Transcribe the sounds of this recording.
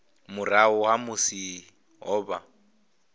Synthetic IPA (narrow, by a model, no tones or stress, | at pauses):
mʊraʊɦamʊsi | ɦɔːba